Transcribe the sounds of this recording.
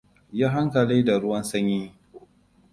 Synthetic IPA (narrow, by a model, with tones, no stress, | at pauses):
ja˦ɦa˦ŋkɐ˨liː˦da˨ɽʊ˦wɐ˦nsɐ˦ɲji˦˨